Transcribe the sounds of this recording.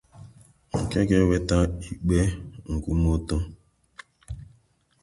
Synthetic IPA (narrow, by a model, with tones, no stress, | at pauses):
ŋ̩˨ke˦ɡe˦we˦ta˦i˨k͡pe˦ŋ̩˨ku˦mo˦tɔ˦